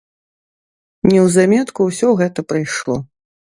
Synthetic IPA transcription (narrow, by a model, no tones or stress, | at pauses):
nʲɛwzamʲɛt̪kuwsʲɔɣɛt̪ɐpɾɨjʂlˠɔ